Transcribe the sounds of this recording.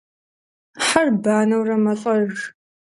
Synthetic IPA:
ħarbaːnɐwrɐmɐɬʼɐɣ

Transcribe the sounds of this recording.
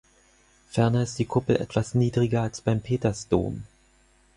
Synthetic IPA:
fɛɐnɐɪst̚d̥iːkʰʊpl̩ʔɛ̰tv̥asniːdʁɪɡɐalsb̥aɪmpʰeːtɐsd̥o̰ːm

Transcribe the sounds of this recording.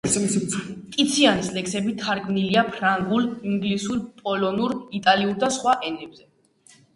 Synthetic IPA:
t̪ʼit̪sʰianislɛksɛbit̪ʰaɾkʰmniliapʰɾaŋɡuliŋɡlisuɾpʼɔlɔnuɾit̪ʼaliuɾd̪asχwaʔɛnɛbzɛ

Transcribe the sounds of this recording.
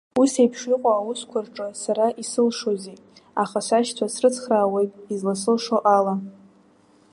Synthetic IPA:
usejpʰʂiqʼaːwʊskʷʰarʈ͡ʂʼɨsaɾaʔisɨlʂoze | aχasʷaʃtʰasrɨt͡sʰχraːwejtʼizlasɨlʂoʔala

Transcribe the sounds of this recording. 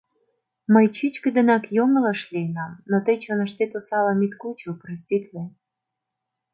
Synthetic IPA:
məjt͡ɕit͡ɕkə̆d̪ə̆nɑkjomə̆lɑʃlʲiənɑmnot̪əjt͡ɕonəʃt̪et̪osɑlɑmit̪kut͡ɕuprɑs̬ʲtʲit̪ʲle

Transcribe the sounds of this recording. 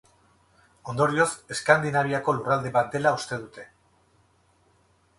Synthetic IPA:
o̞nd̪o̞ɾio̞se̞skand̪inaβ̞iako̞lurald̪e̞βat̪̚d̪e̞laust̪e̞ðut̪e̞

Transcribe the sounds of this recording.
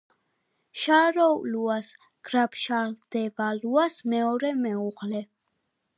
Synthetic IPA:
ʃaɾɔluas | ɡ̥ɾapʃaɾld̪̥ɛvaluasmɛɔɾɛmɛuʁlɛ

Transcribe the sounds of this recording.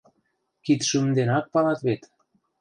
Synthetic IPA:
kit̪ʃumnd̪enɑk̚pɑlɑt̪βet̪

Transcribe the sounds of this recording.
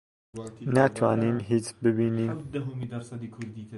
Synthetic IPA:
næt̪ʰwɑːnimɦit͡ʃbɪbiːnim

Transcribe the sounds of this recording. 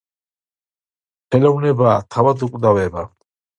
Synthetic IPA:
χɛlɔvnɛbaːt̪ʰavad̪ukʼd̪avɛba

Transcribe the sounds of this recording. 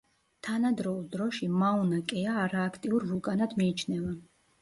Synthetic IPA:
t̪ʰanad̪ɾɔulˠd̪ɾɔʃimaunakʼɛaːɾaːkʰt̪ʼiuɾvulkʼanad̪miːt͡ʃʰnɛva

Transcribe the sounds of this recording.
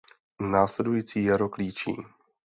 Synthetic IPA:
naːslɛdujiːt͡siːjɛɾokliːt͡ʃḭː

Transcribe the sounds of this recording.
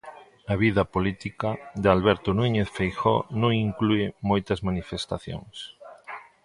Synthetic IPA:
ɐβ̞iðɐpolit̪ikad̪ealβɛɾt̪onuɲeθfejxo̰nõŋiŋkluemojt̪ɐzmanifest̪aθjo̰ŋs

